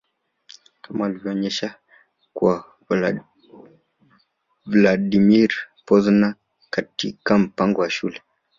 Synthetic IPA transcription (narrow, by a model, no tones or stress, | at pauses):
kamaːlivjɔɲɛʃa | kwa | vladimiɾ | pɔzna | katḭkam̩paŋɡɔwaʃṵlɛ